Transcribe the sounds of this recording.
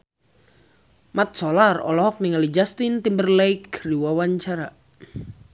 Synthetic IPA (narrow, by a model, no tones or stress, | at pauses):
mat̪̚sɔlarɔ̰lɔɦɔk̚niŋalid͡ʒast̪int̪imbərlɛjkriwawaɲt͡ʃaɾa